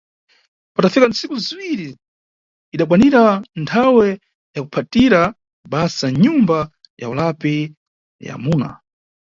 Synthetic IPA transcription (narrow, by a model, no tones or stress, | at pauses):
patafikant͡sikuziwiɾi | iɗak̬waniɾantʰawɛ | jakupʰatiɾa | ɓasaɲumba | ja̰ulapɛ | ja̰muːna̰